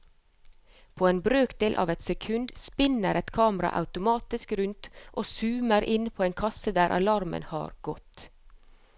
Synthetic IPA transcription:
pʰoːeːnbɾøːkd̪eːlʔɑ̰ːʋɛt̪sɛkʰʉnd̪spɪnəɾɛt̪kʰɑːməɾɑ̰ʔɑ̰ʉt̪ʊmɑːt̪ɪskɾʉnt̪ʔoːsʉːməɾʔɪnpʰoːeːŋkʰɑsəd̪æːɾʔɑ̰lɑɾmə̰nhɑ̰ːɾɡ̥ɔt̪

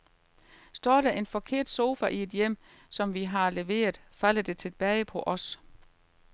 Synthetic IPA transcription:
sd̥ɒ̰ːɾ̥æʔe̝nfɒ̽kʰe̝ɐ̰d̥so̝ːfæʔie̝d̥jem̰ | sɒ̽mʋiɦɑ̈le̝ʋe̝̰ːɐð̩ˠfæl̰əd̥e̝t͡sʰe̝lb̥ɛːɪpʰɒ̽ʔɒ̽s

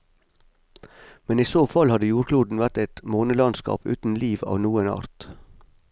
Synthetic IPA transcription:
mɛniːsoːfɑlhɑd̪əjuːɾkʰluːd̪n̩ʋæɾt̪ɛɪt̪moːnəlɑnskɑ̰ːpʉ̰ːt̪n̩liːʋɑ̰ːʋnuːənɑ̰ːɾt̪

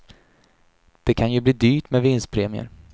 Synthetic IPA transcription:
d̪̥ɛkʰanjɵbliːd̪yːʈmɛvɪnst̪̚pʰɾeːmɪə̰ɾ

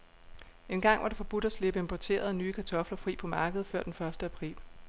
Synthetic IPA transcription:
e̝nɡ̥ɑ̈ŋ̰ʋɑ̈ɾ̥efɒ̽b̥ud̥æsle̝b̥əempʰɒt͡sʰe̝̰ːɐð̞̩ˠnyːkʰæt͡sʰɒ̽flɐfʁḭːpʰɒ̽mɑ̈ːɡ̥əð̞̩ˠfɶɐ̰d̥enfɶɐsd̥əæpʰʁḭːl

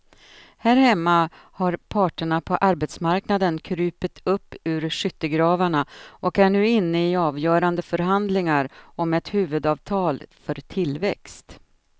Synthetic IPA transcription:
hæɾhɛmːa | haɾpʰɑːʈəɳapʰɔʔaɾbɛt̪smaɾknad̪ənkʰɾʉ̟ːpət̪ʰɵpːʉ̟ːɾʂʏt̪ːəɡɾɑːvaɳaʔɔkæɳʉ̟ːɪnːəɪɑːvjœːɾand̪əfœɾɦand̪lɪŋaɾɔmɛt̪hʉ̟ːvɵd̪ɑːvt̪ʰɑːlfœɾt̪ʰɪlvɛkst̪

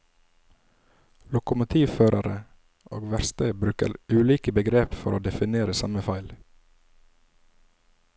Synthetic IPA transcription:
lʊkʊmʊt̪ʰiːʋføːɾɑɾə | ʔo̰ːɡʋæɾst̪əbɾʉːkə̰ɾʉːliːkəbəɡɾeːpfɔ̰ɾʔoːd̪ɛfɪneːɾəsɑməfɑɪl

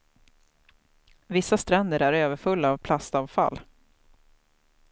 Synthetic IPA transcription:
vɪsːast̪ɾɛnd̪əɾæɾøːvəɾfɵlːaːvpʰlast̪aːvfa̰lː

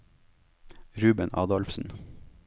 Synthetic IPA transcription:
ɾʉːbənʔɑ̰ːd̪ɑlfsn̩

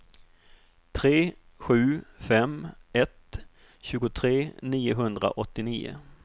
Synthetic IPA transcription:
t̪ʰɾeː | ɧʉ̟ːfɛmɛt̪ | ɕʉ̟ːɡʊt̪ʰɾeːniːʊɦɵnd̪ɾa̰ʔɔt̪ːɪniːʊ̰

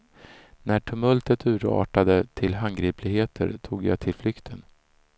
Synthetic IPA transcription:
næʈʰɵmœlt̪ət̪ʉ̟ːɾɑ̰ːʈad̪ət̪ʰɪlɦanɡɾiːplɪɡheːt̪ʰə̰ɾt̪ʰuːɡja̰t̪ʰɪlflʏkt̪ʰən

